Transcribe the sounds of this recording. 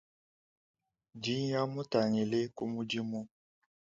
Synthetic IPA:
d͡ʒi˦ɲ˦ja˦mu˦ta˨ɲi˨le˦ku˦mu˦d͡ʒi˦mu˦

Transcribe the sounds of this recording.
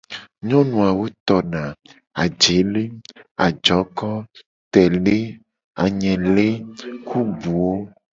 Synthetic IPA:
ɲɔ̃˦nũ˨a˨wo˦t̪ɔ˨nã˨ | a˨d͡ʒe˨˦le˦a̰˨d͡ʒɔ˨˦kɔ˦ | t̪ɛ˨le˦ | a˨ɲɛ̃˨le˦kʰu˦bu˨wo˦

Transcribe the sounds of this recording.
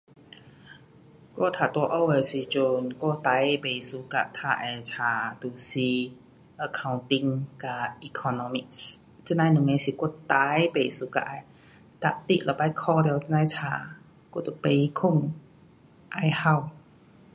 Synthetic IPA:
kɔ̰˧˨t̪ʰaː˨˩t̪u˧ʔo˧˨we˧˩si˨˩t͡ɕo˧nkɔ˥˧˩t̪a˨˧˦jbe˨˩su˧˦ka̰˧˨t̪ʰa˧˩ʔɛ˧˩t͡sʰaː˨˧˩t̪u˨˩si˨˩ | ə˧˩kʰa˧wnt̪i˧ŋka˧˩i˧kʰɔ˧nɔ˧mi˧˨k̚s | t͡ɕi˧˥˨nã˧jnɨ˨ŋe˧˦si˨˩ku˧˩˨t̪a˧˦jbe˨suː˧˦ka̰˧ʔa˧˩j | t̪a̰˧ʔt̪ḭ˧˨ʔlɔ˨˧˩pa˧˨jkʰɔ˧dɛ˧wt͡si˧˥nã˧jt͡sʰaː˧˩ | ku˧˥˨t̪u˧˨pe˧˨i˧kʰu˥˧˩ŋ | ʔa˧jha˧˩w

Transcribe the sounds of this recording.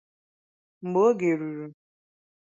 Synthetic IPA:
ŋ͡m̩˨ɡ͡bo˦ɡe˨ɾu˨ɾu˨

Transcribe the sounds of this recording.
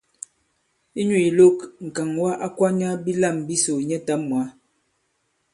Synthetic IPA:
i˦ɲu˨i˨lo˦kŋ̩˨ka˨ŋwa˦ʔa˦kwa˦ɲa˦bi˦la˦˨mbi˦so˨ɲɛ˦ta˦mː˨a˨˦

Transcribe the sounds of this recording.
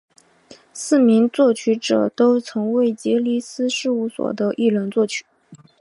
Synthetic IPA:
sɹ̩˥˩mi˧˥ŋt͡swɔ˥˩t͡ɕʰy˧˥ʈ͡ʂɤ̰˨˩t̪o˥ʊt͡sʰɤ˧˥ŋwe˥˩ɪt͡ɕjɛ˧˥li˥sɹ̩˥ʂɻ̩˥˧u˥˩swɔ̰˨˩d̪ə˦ʔi˥˩lwə˧˥nt͡swɔ˥˩t͡ɕʰy̥˨˩˦

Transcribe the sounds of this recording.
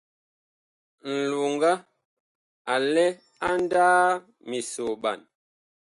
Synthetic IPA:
n̩˨lu˨ŋ˦ɡa˦ | a˨lɛ˦ | a˦n˦daː˦ | mi˨so˨ɓa̰˨n

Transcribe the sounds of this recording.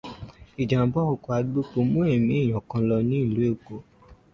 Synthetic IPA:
i˨d͡ʒã˨bɔ˦o˨ko˨a˧˦ɡ͡bo˦k͡po˧mõ˦ɛ˦˨mĩ˦i˦˨j̃ɔ̃˨kã˧lɔ˧nĩ˦˨lu˨˦e˦˨ko˨

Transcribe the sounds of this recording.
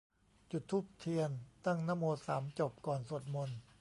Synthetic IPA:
t͡ɕu˨˩t̪ʰːuː˦˥˩p̚t̪ʰi˧ənt̪a˥˩ŋnaː˥˨moː˧saː˩˦mt͡ɕo˨˩p̚kɔː˨˩nso˨˩t̪̚mo˧n

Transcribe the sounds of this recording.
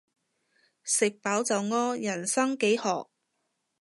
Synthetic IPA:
sɪ˨k̚paː˨˥wt͡sɐ˨wŋɔː˥jɐ˨˩nsɐ˥ŋke˨˥jhɔː˨k̚

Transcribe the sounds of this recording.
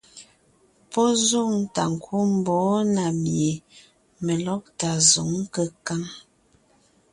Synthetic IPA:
pɔ˦zu˦˨ŋta˨ŋ˨kʰu˦m˦˨bɔ˨˦na˨mje˨ | mə˨lɔ˦p̚ta˨zo˨˦ŋ̩˦kə˦ka˦ŋ

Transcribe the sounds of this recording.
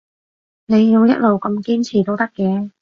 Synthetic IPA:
ne˨˧jːi˧wjɐ̰˥t̚lo˨wkɐ˧mkiː˥nt͡sʰiː˨˩t̪o˥wt̪ɐ˥kːɛː˧

